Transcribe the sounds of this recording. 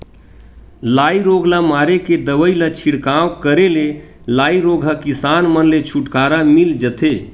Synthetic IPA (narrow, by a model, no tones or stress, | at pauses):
laiɾoɡlamaɾeked̪əʋəilat͡ʃʰiɽkawkəɾele | laːiɾoɡʱɦakisanmənlet͡ʃʰuʈkaɾamild͡ʒət̪e